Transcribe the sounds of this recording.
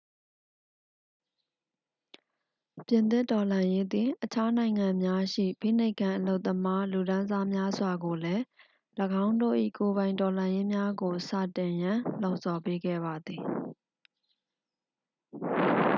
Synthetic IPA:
pjɪ̃˨nt̪ɪ˦˨tɔ˨lã˨je˦d̪ɪ̃˨ʔət͡ɕʰa˦nã˨ɪ̃ŋã˨mja˦ʃḭ˦˨pḭ˦˨ne˦ɪkʰã˨ʔəlo˦ʊt̪ːəma˦lu˨ɾã˦za˦mja˦zwa˨ɡo˨lɛ˦ | ləɡã˦ʊ̃ndo̰˦˨ʔḭ˦˨ko˨βã˨ɪ̃ntɔ˨lã˨je˦mja˦ɡo˨sa̰˦˨tɪ̃˨jã˨lõ˦˨ʊʔsɔ˨pe˦ɡɛ̰˦˨ba˨d̪ði˨

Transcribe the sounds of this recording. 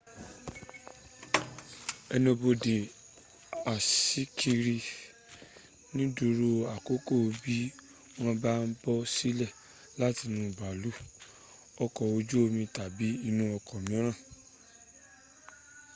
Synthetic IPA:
ɛ˧nĩ˧bo˧de˨ | a˨si˦kʰi˧ɾi˧ | nĩ˦du˧ɾo˧a˨ko˦ko˦˨˧bi˦ | w̃ɔ̃˧ba˦n̩˦bɔ˦si˦lɛ˦˨ | la˦ti˧nũ˧˨ba˨lu˨˦ | ɔ˧kɔ˨o˧d͡ʒu˦o˧mĩ˧ta˨bi˨˦i˧nũ˧˦ɔ˧kɔ˨mĩ˨˦ɾ̃ã˦˨

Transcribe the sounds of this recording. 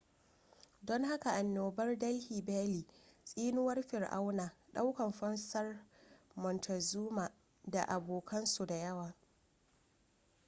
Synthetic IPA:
dɔ˦ŋɦa˦ka˨ʔa˨nːoː˨bɐ˦rdɐ˦lhiː˨baː˦liː˨sʼiː˦nʊ˦wɐ˦rɸɪ˨rʔa̰˦wnaː˨ɗa˦wkɐ˨mɸɐ˦nsɐ˦rmɔ˨ntʰɐ˨zuː˦ma˨ | da˨ʔa˨boː˨kʰɐ˦nsu˨da˨jɐ˦waː˨

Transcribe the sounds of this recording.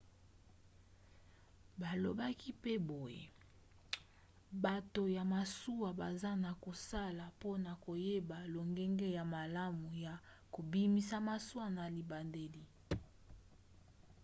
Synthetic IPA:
ba˨lo˨ba˦ki˦pe˦bo˨jḛ˨ | ba˨to˨ja˨ma˨su˦wa˨ba˨za˦na˨ko˨sa˦la˨po˦na˨ko˨je˦ba˨lo˨ŋɡɛ˦ŋɡe˦ja˨ma˨la˦mu˨ja˨ | ko˨bi˦mi˦sa˦ma˨su˦a˦na˨li˨ba˨nde˨li˦

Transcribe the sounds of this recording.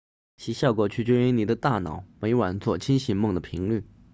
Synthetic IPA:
ɕi˧˥ɕjɑ˥˩ʊkwɔ˨˧˩t͡ɕʰy˥˩t͡ɕje˥y˧˥ni˨˩d̪ə˧˦t̪a˥˩nɑ˨˩˦ʊme˧˥ɪwa˨˩nt͡swɔ˥˩t͡ɕʰi˥nɕi˧˥nmɤ˥˩ŋd̪ə˩pʰi˧˥ŋly˥˩

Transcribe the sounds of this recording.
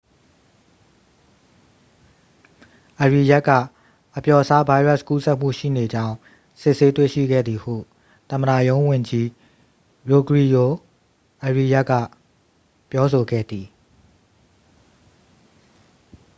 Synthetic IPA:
ʔə˨ɹi˨ja˦kːä̰˦˨ | ʔəpjɔ˨əsa˦ba˦ɪɹa˦˨sku˦sɛ˦ʔm̥ṵ˦˨ʃḭ˦˨ne˨d͡ʑã˦ʊ̃ | sɪ˦ʔse˦t̪we˦˨ʃḭ˦˨ɡɛ̰˦˨d̪i˨hṵ˦˨ | t̪ə̃˨məda̰˦˨jõ˦ʊ̃wɪ̃˨ɲd͡ʑi˦ | ɹo˨ɡɹi˨jo˨ | ʔə˨ɹi˨ja˦ʔkːä̰˦˨ | pjɔ˦so˨ɡɛ̰˦˨d̪i˨

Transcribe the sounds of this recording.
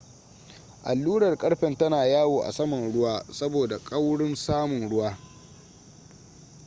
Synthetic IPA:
ʔa̰˨lːuː˦ɽɐ˨rkʼɐ˦ɽɸɛ˨ntɐ˦naː˨jaː˦woː˨ʔa̰˨sɐ˦mɐ˨nɽʊ˦waː˦sɐ˦boː˨da˨kʼɐ˦wɽɪ˦nsaː˦mʊ˨nɽʊ˦waː˦

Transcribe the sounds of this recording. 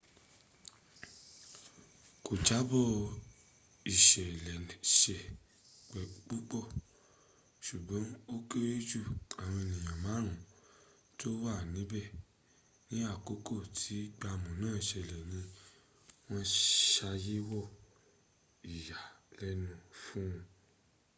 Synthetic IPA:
ko˨d͡ʒa˨˦bɔ˦˨ | i˨ʃɛ˨lɛ˨ʃɛ˨ | k͡pɛ˨k͡pu˦k͡pɔ˦˨ | ʃu˨ɡ͡bɔ̃˨˦o˦ke˦ɾe˦d͡ʒu˦˨a˨w̃ɔ̃˧i˧nĩ˨j̃ã˨mã˨˦ɾ̃ũ˨˦ | to˦wa˦˨nĩ˨˦bɛ˦˨ | nĩ˦a˦˨ko˨˦ko˦˨tʰi˨˦ɡ͡ba˧mũ˨nãː˦˨i˨ʃɛ˨lɛ˨nĩ˧ | w̃ɔ̃˦ʃa˧je˦wɔ˦˨ | i˨ja˨lɛ˦nũ˦˨fũ˦ũ˧

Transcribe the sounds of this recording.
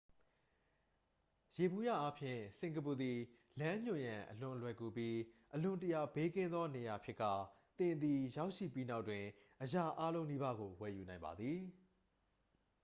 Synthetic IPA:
je˨bu˦˨jä̰˦˨ʔa˦pʰjɪ̰̃˦˨sɪ̃˨ŋɡə˨pu˨d̪i˨ | lã˦ɲ̥ʊ̃˨jã˨ʔəlʊ̃˨lwɛ˨ku˨pji˦ʔəlʊ̃˨ntə˨ja˨be˦kɪ̃˦nd̪ðɔ˦ne˨ja˨pʰjɪ˦ʔkːa̰˦˨ | t̪ɪ̃˨nd̪i˨ja˦ʊʔʃḭ˦˨pi˦na˦ʊʔtːwɪ̃˨ | ʔəja˦˨ʔa˦lõ˦ʊ̃ni˦ba˦ɡo˨wɛ˨ju˨nã˨ɪ̃mba̰˨d̪ði˨

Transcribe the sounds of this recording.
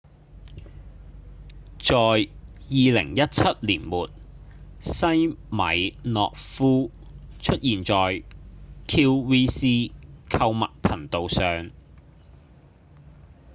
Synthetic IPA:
t͡sɔː˨jjiː˨lɪ̰˨˩ŋjɐ˥t̚t͡sʰɐ˥t̚liː˨˩nmuː˨t̚ | sɐ˥jmɐ̰˨˥jnɔ̰ː˨k̚fuː˥ | t͡ʃʰɵ˥t̚jiː˨˩nt͡sɔː˨jkʰiː˧˥wwiː˥siː˥kʰɐ˧wmɐ̰˨k̚pʰɐ˨˩nt̪o˨wsœː˨ŋ

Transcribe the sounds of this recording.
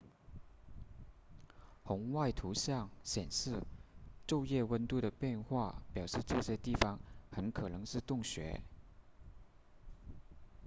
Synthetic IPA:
xʊ˧˥ŋwa˥˩ɪt̪ʰu˧˥ɕjɑ˥˩ŋɕjɛ˨˩nʂɻ̩˥˧ʈ͡ʂo˥˧ʊjɛ˥˩wə˥nt̪u˥˩d̪ə˩pjɛ˥˧nxwa˥˩pjɑ˨˩ʊʂɻ̩˥˧ʈ͡ʂɤ˥˧ɕjɛ˧˥t̪i˥˩fɑ˧˥ŋxə˧˥nkʰɤ˨˩nɤ˧˥ŋʂɻ̩˥˧t̪ʊ˥˩ŋɕɥɛ̰˧˥

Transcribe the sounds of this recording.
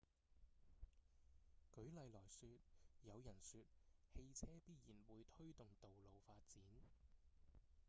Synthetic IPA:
kɵ˨˥ɥlɐ˨˧jlɔː˨˩jsyː˧t̚jɐ˨˧wjɐ˨˩nsyː˧t̚he˧jt͡sʰɛː˥piː˥t̚jiː˨˩nwuː˨˧jt̪ʰɵ˥ɥt̪ʊ˨ŋt̪o˨wlo˨˧wfaː˧t̚t͡siː˨˥n

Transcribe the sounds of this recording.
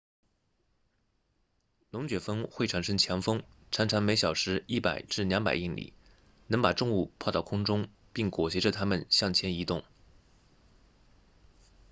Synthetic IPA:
nʊ˧˥ŋt͡ɕɥɛ˨˩fɤ˥ŋxwe˥˩ɪʈ͡ʂʰa˨˩nʂɤ˥ŋt͡ɕʰjɑ˧˥ŋfɤ˥ŋʈ͡ʂʰa˧˥nʈ͡ʂʰa˧˥ŋme˧˥ɪɕjɑ˨˩ʊʂɻ̩˧˥i˥˩pa˨˩ɪʈ͡ʂɻ̩˥˩njɑ˧˥ŋpa˨˩ɪi˥˩ŋlḭ˨˩˦ | nɤ˧˥ŋpa˨˩ʈ͡ʂʊ˥˧ŋu˥˧pʰɑ˥˧ʊɑ˥˩ʊkʰʊ˥ŋʈ͡ʂʊ˥ŋ | pi˥˩ŋkwɔ˨˩ɕɛ˧˥ʈ͡ʂə˥˧t̪ʰa˥mə˨nɕjɑ˥˩ŋt͡ɕʰjɛ˧˥ni˧˥t̪ʊ˥˩ŋ

